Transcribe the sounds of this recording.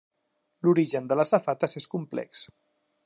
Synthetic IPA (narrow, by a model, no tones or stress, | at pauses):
luɾiʒənd̪ələsafat̪əseskumplɛ̰ks